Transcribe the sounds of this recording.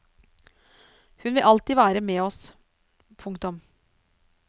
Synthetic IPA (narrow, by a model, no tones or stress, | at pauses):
hʉnʋɪlʔɑlt̪iːʋæːɾəmeːɔs | pʰʊŋkt̪ɔm